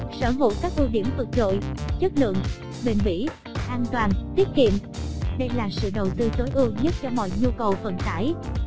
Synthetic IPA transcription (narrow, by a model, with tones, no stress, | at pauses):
səː˧˩vṵ˧˨kaː˦˥k̚ʔɨ˧ɗi˧˩əmvɨ˨˩k̚zo̰˧˨jt͡ɕə˦˥t̚lɨ̰˧˨əŋ | ɓi˨˩nvḭ˧˥ | ʔaː˧nt̪waː˨˩nt̪wi˦˥ət̚kḭ˧˨əmɗə˧jlaː˨˩sɨ̰˧˨ɗə˨˩wt̪ɨ˧t̪o˨˦jʔɨ˧əɲə˦˥t̚t͡ɕɔ˧mɔ̰˧˨jɲu˧kə˨˩wfə˨˩nt̪aː˧˦j